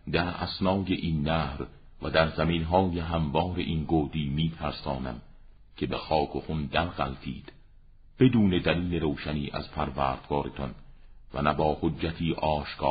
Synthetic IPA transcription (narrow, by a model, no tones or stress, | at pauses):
d̪æɾæ̰snɒːjeʔiːnːæːhɾ | væd̪æɾzæminɦɒːjeɦæmvɒːɾe̞̰ʔiːnɡoːd̪iːmiːt̪ʰæɾsɒːnæ̰m | cʰe̞bexɒːkʰoxund̪ælɣæ̰lt̪ʰḭːd̪̥ | b̥e̞d̪uːne̞d̪æliːle̞ɾoːʃæniːʔæ̰zpʰæɾvæːɾd̪̥ɡɒːɾet̪ʰɒnvæ̰næbɒːhodd͡ʒːæt̪ʰiːʔɒːʃkʰɒː